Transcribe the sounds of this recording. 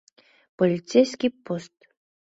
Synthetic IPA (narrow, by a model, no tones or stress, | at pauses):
polʲit̪t͡sʲejsʲkʲipost̪